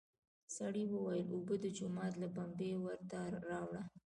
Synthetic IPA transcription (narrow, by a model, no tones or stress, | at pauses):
saɽiwəwajəlobəd̪əd͡ʒʊmɑt̪labambewəɾt̪aɾɑwɽa